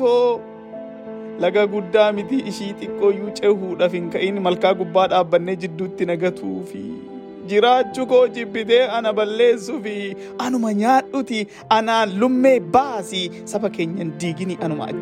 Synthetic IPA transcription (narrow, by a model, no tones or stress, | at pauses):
oː | lɐɡɐɡʊd̪ːaːmɪt̪iʔɪʃiːt̪ʼɪkʼːo̞ːjuːt͡ʃʼɛhuːᶑɐfɪŋkɐʔɪnmɐlkaːɡʊbːaːᶑaːbːɐnːeːd͡ʒɪd̪ːuːt̪ːɪnɐɡɐt̪ʰuːfɪ̰ | d͡ʒɪɾaːt͡ʃːʊkoːd͡ʒɪbːɪt̪e̞ːʔɐnɐbɐlːe̞ːsːʊfɪ | ʔɐnʊmɐɲaːᶑʊt̪ɪ | ʔɐnaːlʊmːe̞ːbasɪ | sɐfɐke̞ːɲːɐnd̪iːɡɪniːʔɐnʊmɐ̰ʔɐ̰